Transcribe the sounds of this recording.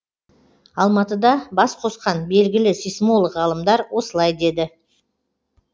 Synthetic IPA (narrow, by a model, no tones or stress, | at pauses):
ɑlˠmɑt̪əd̪ɑbɑsqʰo̞sqɑnbe̞lɡʲɪlɪsijsmo̞lˠəqʁɑlˠəmd̪ɑɾwo̞səlˠɑjd̪e̞d̪ɪ